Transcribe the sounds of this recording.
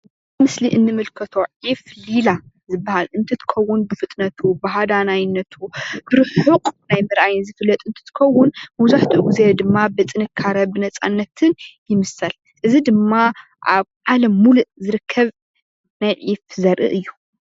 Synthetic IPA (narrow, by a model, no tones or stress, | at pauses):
mɨsliʔɨnːɨmɨlkʰɐt̪ʰo̞ʕiflila | zɨbːahalɨnt̪ʰɨt̪ʰɨ̥kʰɐwːʊnbɨfɨt̪ʼnɐt̪ʰubaɦad̪anajɪnːɐt̪ʰubɨɾħɨqʼnajmɨɾʔajɨnzɨfɨlːɐt̪ʼɨnt̪ʰɨ̥t̪ʰɨ̥kʰɐwʊnmɐwzaħt̪ʰɨʔɡuzed̪ɨmːabɨt͡sʼɨnɨkʰːaɾɐbɨnɐt͡sʼanːɐt̪ʰɨnjɪmɨsɐl | ʔɨzid̪ɨmːa | ʔaβʕalɐmːuluʔzɨɾɨkʰːɐβ | najʕifzɐɾʔɨ̰ʔɨjːu